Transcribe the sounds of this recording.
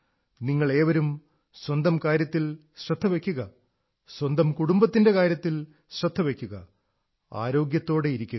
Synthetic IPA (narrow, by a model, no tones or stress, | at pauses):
niŋːɐɭe̞ːʋɐɾum | swɐnd̪ɐmkaːɾjɐt̪ːil | ɕrɐd̪ʱːɐʋe̞kʲːuɣɐ | swɐnd̪ɐmkuɽumbɐt̪ːinde̞kaːɾjɐt̪ːil | ɕrɐd̪ʱːɐʋe̞kʲːuɣɐ̰ | a̰ːɾo̞ːɡjɐt̪ːo̞ːɽe̞iɾikʲːu